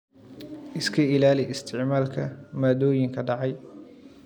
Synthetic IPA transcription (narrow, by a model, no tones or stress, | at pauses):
ʔɪskʰɐɪlaːlɪɪst̪ʰɪʕmaːlkʰɐmaːd̪ɔːjɪŋkʰɐɖɑʕɑj